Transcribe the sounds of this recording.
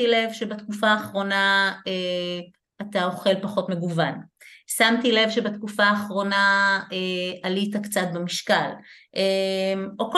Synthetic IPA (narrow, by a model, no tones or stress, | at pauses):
ile̞vʃebatkufaːχʁo̞nae | atao̞χe̞lpaχo̞tme̞ɡuvansamtile̞vʃebatkufaːχʁo̞naealitakt͡sat̚bemiʃkal | ʔemoko